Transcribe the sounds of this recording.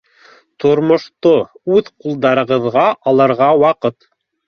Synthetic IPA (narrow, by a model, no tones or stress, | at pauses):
t̪ŏɾmŏʃt̪oʉðqulˠd̪ɑɾɤ̆ʁɤ̆ðʁɑʔɑlˠɑɾʁɑwɑqɤt̪